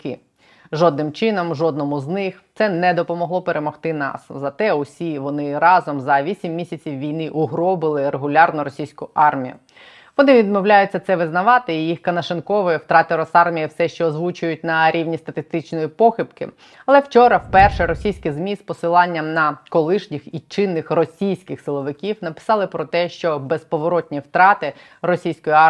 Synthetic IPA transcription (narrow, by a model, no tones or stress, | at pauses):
kɪ̰ | ʒɔd̪nɪmt͡ʃɪnɔmʒɔd̪nɔmʊznɪxt̪sɛnɛd̪ɔpɔmɔɦlˠɔpeɾʔemɔxt̪ɪnɑ̰szɐt̪ɛʊsʲiʋɔnɪɾɑzɔmzɐʋʲisʲimːʲisʲɐt͡sʲiwʋʲijnɪʔʊɦɾɔbɪlˠɪɾeɦʊlʲɑrnʊɾɔsʲijsʲkʊʔɑrmʲijʊ̰ | ʋɔnɪʋʲid̪mɔwlʲajʊtʲt͡sʲːɐt̪sɛʋɪznɐʋɑt̪ɪijixkɐnɐʃɪnkɔʋɪjwt̪ɾɑt̪ɪɾɔsɑrmʲijiwsɛʃt͡ʃɔːzʋut͡ʃʊjʊt̚ʲnɐɾʲiʋnʲist̪ɐt̪ɪst̪ɪt͡ʃnɔjipɔxʲɪpkɪ̰ | ɐlˠɛwt͡ʃɔɾɐwpɛrʃɛɾɔsʲijsʲkɪzmʲispɔsɪlˠɑnʲːɐmnɐkɔlˠɪʃnʲixit͡ʃɪnːɪxrɔsʲijsʲkɪxsɪlˠɔʋɪkʲiwnɐpɪ̥sɑlˠɪpɾɔt̪ɛʃt͡ʃɔbespɔʋɔɾɔt̪ʲnʲiwt̪ɾɑt̪ɪ | rɔsʲijsʲkɔjɑ